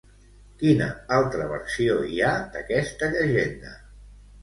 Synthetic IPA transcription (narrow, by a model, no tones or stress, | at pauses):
kinə̰alˠt̪ɾəβ̞ə̰ɾsioiad̪əkɛst̪əʎəʒend̪ə